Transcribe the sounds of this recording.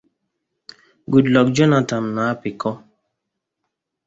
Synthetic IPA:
ɡu˨dlɔ˨k̚d͡ʒɔ˦na˨ta˨mnaː˨˦pi˨kɔ˦

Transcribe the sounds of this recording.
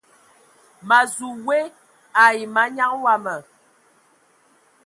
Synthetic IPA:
ma˨zu˨we˦ | a˨i˨ma˨˦ɲa˦ŋwa˦mə˨

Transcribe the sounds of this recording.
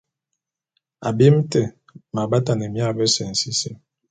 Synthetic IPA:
a˨bi˦m̩˦tɛ˨ | ma˨ba˦ta˨nə˨mja˦˨bə˦sɛ˨n̩˨si˦se˦

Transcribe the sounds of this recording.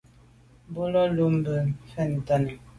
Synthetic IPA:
bu˦lɔ˦lu˦m˦bə˨fɛ˦˨n˨ta˦˨nə˨

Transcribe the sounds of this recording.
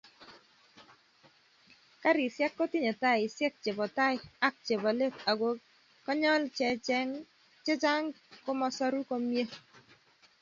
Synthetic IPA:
ka˦ɾi˨sjɛ˦kːɔ˦ti˦ɲɔ˨ta˦ɪ˨sjɛ˦k̚t͡ʃe˨bɔ˨ta˦ɪ˦a˦k̚t͡ʃe˨bo˨le˦ta˨ɡo˦ | kɔ˦ɲɔ˦lt͡ʃɛ˨ŋ | t͡ʃɛ˦d͡ʒa˦ŋ | kɔ˦mɔ˦sɔ˦ɾu˦ko˦mje˦

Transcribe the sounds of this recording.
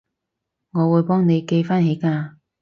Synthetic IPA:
ŋɔː˨˧wuː˨˧˥jpɔː˥ŋne˨˧jke˧jfaː˥nɦe˨˥jkaː˧

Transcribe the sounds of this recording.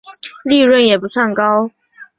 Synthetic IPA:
li˥˧ɻwə˥˩njɛ˨˩pu˧˥swa˥˩nkɑ˥ʊ

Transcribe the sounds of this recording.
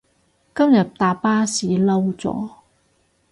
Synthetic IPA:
kɐ˥mjɐ˨t̚t̪aː˨˩paː˥siː˨˥lɐ˥wt͡sɔ̰ː˨˥

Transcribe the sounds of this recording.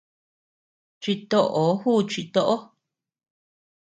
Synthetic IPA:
t͡ʃi˧t̪o˦˧ʔo˨˦huː˦˨t͡ʃi˧t̪o˦˧ʔo˦

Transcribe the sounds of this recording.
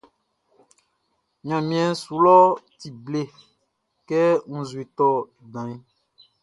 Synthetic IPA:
ɲã˨mĩ˦ɛ̃˨su˨lɔ˦ti˨ble˦ | kɛ˦ŋũ˦zu˨e˨t̪ɔ˦ | dã˨i˦

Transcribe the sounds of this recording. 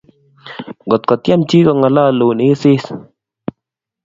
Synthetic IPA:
ɡɔ˨t̪̚kɔ˨t̪ja˦mt͡ʃi˦kɔ˨ŋa˨la˦˨lo˨ne˨˦sɪ˦s

